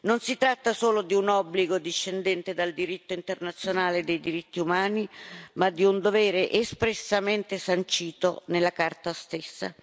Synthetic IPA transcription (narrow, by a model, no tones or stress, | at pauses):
nonsit̪ɾat̪ːasoːlod̪iunɔbːliɡod̪iʃːend̪ɛnt̪ed̪ald̪iɾit̪ːoint̪ernat̪sːjonaːled̪ejd̪iɾit̪ːiumaːnimad̪iund̪ovɛːɾeʔespɾesːament̪esant͡ʃiːt̪onelːakart̪ast̪esːa̰